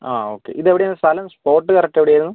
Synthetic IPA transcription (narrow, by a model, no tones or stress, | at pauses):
a̰ːo̞ːkːe̞̰ʔiðeʋiɽejnːɐst̪ɐlɐmspo̞ːrʈːɨkɐrɐk̚ʈːeʋiɽejaːjɾunːu